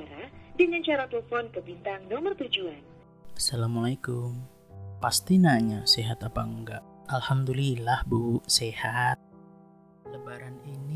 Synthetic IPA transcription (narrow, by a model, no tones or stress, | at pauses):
aɾadiɲaɲt͡ʃaɾat̪əlfɔnkəbint̪aŋnɔmərt̪ud͡ʒuan | asalamalajkum | past̪inaɲaseɦat̪apaəŋɡaʔ | alhamd̪ulilahbusehat̪̚ | ləbaɾanini